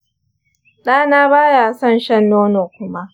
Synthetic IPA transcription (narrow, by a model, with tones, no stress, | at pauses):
ɗaː˦naː˦baː˦jaː˨sɔ˦˨nʃɐ˦nːoː˦noː˨kʷʊ˦ma˦ʔ